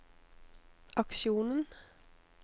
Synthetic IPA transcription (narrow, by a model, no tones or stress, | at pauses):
ʔɑkʃuːnən